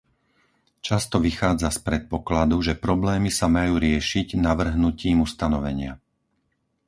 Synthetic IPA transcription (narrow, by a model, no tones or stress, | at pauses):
t͡ʃast̪ɔʋixaːd͡zaspɾɛt̪̚pɔklad̪uʒɛpɾɔblɛːmisamajuːɾɪɛʃiɟnaʋr̩ɦnuciːmust̪anɔʋɛɲɪa̰